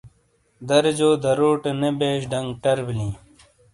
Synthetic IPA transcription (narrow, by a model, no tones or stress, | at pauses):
d̪ɐɾd͡ʑoːd̪ɐɾoːʈenebeːɕɖɐŋɡʈɐɾblĩː